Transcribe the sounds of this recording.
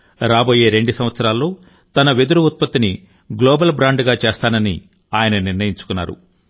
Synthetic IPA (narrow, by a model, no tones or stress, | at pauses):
ɾaːboːje̞ːɾe̞ɳɖusɐmʋɐt̪sɐɾaːlːo̞ː | t̪ɐnɐʋed̪uɾuut̪̚pɐt̪ːini | ɡloːbɐlbɾaːɳɖɡaːt͡ʃeːst̪aːnɐnḭ | aːjɐnɐniɾnɐjiɲt͡ʃu̥kunːa̰ːɾṵ